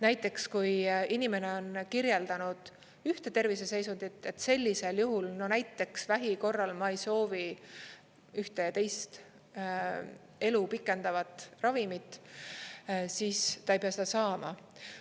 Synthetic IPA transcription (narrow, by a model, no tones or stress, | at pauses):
næjt̪ːˑe̞kskujinime̞ne̞o̞nkirje̞ld̪̥ɑnud̪̥ | yht̪e̞t̪e̞rvise̞se̞jsund̪it̪ːˑe̞t̪ːˑse̞lʲːise̞ljuɦulno̞næjt̪ːe̞ksvæɦiko̞rːɑlmɑejso̞ːvi | yht̪e̞jɑt̪e̞jst̪ | e̞lupikːˑe̞nd̪̥ɑvɑt̪ˑrɑvimit̪ːˑ | siːst̪ɑejpeɑsed̪ɑsɑːmɑ̰